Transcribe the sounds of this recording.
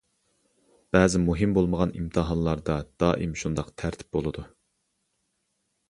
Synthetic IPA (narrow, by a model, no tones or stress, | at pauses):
b̥ɛːzɪmuɦɪmbolˠməʁɑnḭmt̪ʰɨɦɑnlˠɑɾd̪ɑd̪̥ɑːʔimʃund̪ɑqt̪ʰæɾt̪ʰɪ̥p̚bolˠɨd̪u